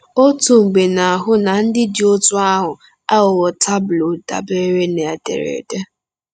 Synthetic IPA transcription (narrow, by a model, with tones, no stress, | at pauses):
o˦tu˨ŋ͡m̩˨ɡ͡be˨na˨a˨ɦʊ˦na˨n̩˦dɪ˦dɪ˦o˦tʊ˦a˦ɦʊ˨ | a˦ʊ˨wɔ˨tʰa˦bʊ˨lo˨da̰˨be˦ɾe˦ne˨a˨dḛ˨ɾḛ˨de˦